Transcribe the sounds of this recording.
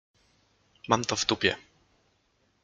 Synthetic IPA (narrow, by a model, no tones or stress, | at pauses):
mamt̪ɔvt̪upʲjɛ̰